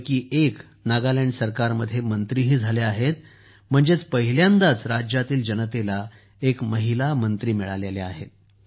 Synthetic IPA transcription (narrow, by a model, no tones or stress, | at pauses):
kiːʔek | naɡaleɳɖsəɾkaɾməd̪ʱːjemənt̪ɾiːɦiːd͡zʱaleaɦet̪̚ | m̤əɳd͡zet͡spəɦiljãnd̪at͡sɾad͡ʑjat̪iːld͡ʑənət̪ela | ekməɦilamənt̪ɾiːmiɭa̰leleaɦḛt̪̚